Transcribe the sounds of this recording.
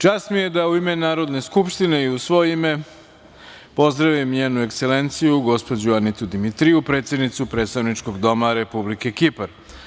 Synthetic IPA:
t͡ʃaːst̪mijed̪auime̞naːɾo̞d̪ne̞skupʃt̪ine̞iusʋo̞jeime̞ | po̞zd̪ɾaʋimɲeːnue̞kse̞lent̪sijuɡo̞spo̞d͡ʑuanit̪ud̪imit̪ɾiupɾet̪sje̞d̪nit̪supɾet̪st̪aʋnit͡ʃko̞ɡd̪o̞maɾe̞publike̞kipaɾ

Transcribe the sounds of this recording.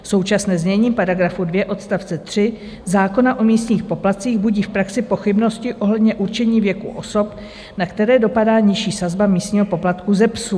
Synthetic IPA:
so̞wt͡ʃasnɛːzmɲɛɲiːpaɾaɡɾafudvjɛʔo̞t̪st̪aft͡sɛt̪r̝̥ɪ | zaːko̞naʔo̞miːst̪ɲiːxpo̞plat̪t͡siːɣbuɟiːfpɾaksɪpo̞xɪbno̞scɪʔoɦlɛdɲɛʔuɾt͡ʃɛɲiːvjɛkṵʔo̞so̞p | nakt̪ɛɾɛːdo̞padaːɲɪʃiːsazbamiːst̪ɲiːɦo̞po̞plat̪kuzɛpsu

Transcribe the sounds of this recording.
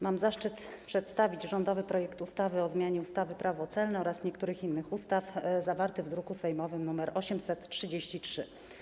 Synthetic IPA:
mamzaʂt͡ʂɘt̪pʂɛt̪st̪avʲit͡ɕʐɔnd̪ɔvɘpɾɔjɛkt̪ust̪avɘɔzmʲjaɲɛust̪avɘpɾʔavɔt̪sɛlnɛɔɾasɲɛkt̪uɾɘxinːɘxust̪afzavaɾt̪ɘvd̪ɾukusɛjmɔvɘmnumɛɾɔɕɛmsɛt̪tʂɘd͡ʑeɕt͡ɕitʂɘ

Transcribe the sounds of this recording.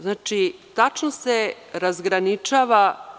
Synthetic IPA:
znaːt͡ʃit̪at͡ʃnose | ɾazɡɾanit͡ʃaːʋa

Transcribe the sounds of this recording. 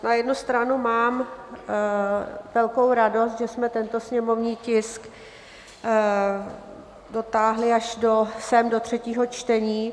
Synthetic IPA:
najɛdnust̪ɾanumaːm | vɛlko̞wɾado̞st̪ʒɛsmɛt̪ɛnt̪o̞sɲɛmo̞vɲiːcɪsk | do̞t̪aːɦlɪaʃdosɛmdot̪r̝̥ɛciːɦo̞t͡ʃt̪ɛɲiː

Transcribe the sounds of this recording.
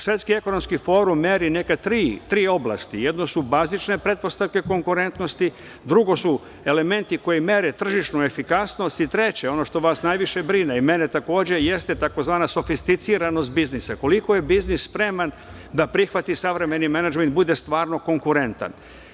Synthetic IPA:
sʋe̞t̪skieko̞no̞mskifo̞ːɾumːeɾine̞kat̪ɾiːt̪ɾiːo̞blˠa̰st̪ije̞d̪no̞subazit͡ʃne̞pɾe̞t̪̚po̞st̪aʋke̞ko̞ŋkuɾe̞nt̪no̞st̪i | d̪ɾuɡo̞su | e̞le̞me̞nt̪iko̞jime̞ɾet̪r̩ʒiʃnue̞fikasno̞st̪it̪ɾe̞t͡ɕeo̞no̞ʃt̪o̞ʋaːsnajʋiʃe̞bɾineime̞ne̞t̪ako̞ːd͡ʑe̞je̞st̪e̞t̪ako̞zʋaːnaso̞fist̪it̪siɾano̞st̪̚biznisako̞liko̞je̞biznisːpɾe̞man | d̪apɾixʋat̪isaʋɾe̞me̞nimenad͡ʒment̪̚bud̪e̞st̪ʋaːɾno̞ko̞ŋkuɾe̞nt̪a̰n

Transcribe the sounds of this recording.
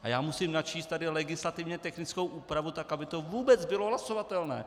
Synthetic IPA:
ʔajaːmusimnat͡ʃiːst̪ːadɪlɛɡɪslat̪ɪvɲɛt̪ɛxnɪt͡skowʔuːpɾavut̪akabɪt̪o̞vuːbɛt͡sbɪloɦlaso̞vat̪ɛlnɛ̰ː

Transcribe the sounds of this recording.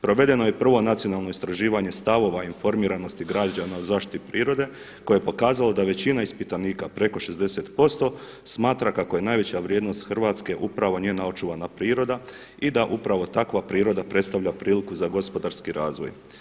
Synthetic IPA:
pɾo̞ʋe̞d̪e̞no̞jepr̩ʋo̞nat̪sijo̞nalˠno̞ist̪ɾaʒiːʋaɲe̞st̪aʋo̞ʋainfo̞ɾmiːɾano̞st̪iɡɾad͡ʑanauzaːʃt̪i̥t̪ipɾiːɾo̞d̪e̞ | kojeepo̞kaːzalˠad̪aʋe̞t͡ɕinaispit̪aniːkapɾe̞ko̞ʃe̞zd̪e̞se̞t̪po̞st̪o̞ | smaːt̪ɾakakoje̞najʋe̞t͡ɕaʋɾjeːd̪no̞st̪xrʋaːt̪ske̞ʔupɾaʋo̞nije̞nao̞t͡ʃuʋanapɾiːɾo̞d̪a | id̪aʔupɾaʋo̞t̪akʋapɾiːɾo̞d̪apɾe̞t̪st̪aʋʎapɾiːlikuzaɡo̞spo̞d̪aɾskiɾaːzʋo̞̰j

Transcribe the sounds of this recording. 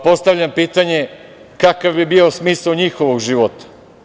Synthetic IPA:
po̞st̪aʋʎampiːt̪aɲe | kakaʋbibio̞smiːsaɲixoʋo̞ɡʒiʋo̞t̪ḁ

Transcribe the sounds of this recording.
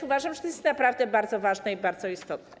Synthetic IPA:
uvaʐamʐɛt̪ɔjɛst̪napɾavd̪ɛbaɾd̪zɔvaʐnɛibaɾd̪zɔist̪ɔt̪nɛ

